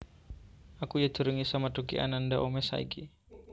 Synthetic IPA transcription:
akujad̪̥ṳɾəŋisamad̪ukḭʔa̰nandaʔomɛsa̰ḭɡi

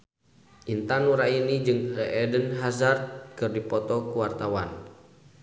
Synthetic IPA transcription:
ʔint̪anuɾainid͡ʒɨŋrɛʔɛdənɦazard̪̚kɨrdipɔt̪ɔkuwart̪awan

